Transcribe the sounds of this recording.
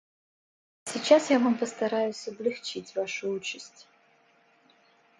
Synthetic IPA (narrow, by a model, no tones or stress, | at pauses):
sʲit͡ɕasjavampəst̪ɐɾajʊsʲɐblʲɪxt͡ʃitʲvaʂʊut͡ɕɪsʲtʲ